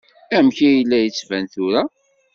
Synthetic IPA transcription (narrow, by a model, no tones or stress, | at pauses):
æmçijəlːæjət͡sːvænθʊɾa